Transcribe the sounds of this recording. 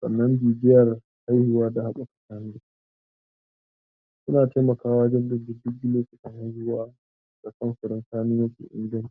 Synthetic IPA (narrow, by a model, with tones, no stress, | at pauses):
sʼɐ̰˨nːɐ˦mbiː˨dɪ˦jɐ˨r | ha˦jhʊ˦waː˦da˨ha˦ɓʼɐ˨kḁ˨taː˦n˦dɪ˦˨˦ | sʊ˦naː˨teː˦mɐ˨kaː˦waː˦d͡ʒɪ˦n˦dɪ˦ndɪ˦dʊ˦kɡɪ˦loː˦kʲɪ˨tɪ˦ŋha˦jhʊ˦waː˦ | d̥a˨kʼɐ˦nɸʊ˨ɾɪ˦nsaː˦nɪ˦ŋwɐ˦sṵ˨ʔɪ̰˦ŋɡdɐ˦n˦